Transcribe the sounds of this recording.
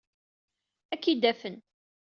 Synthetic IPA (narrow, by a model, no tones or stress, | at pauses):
ækːid̪æfən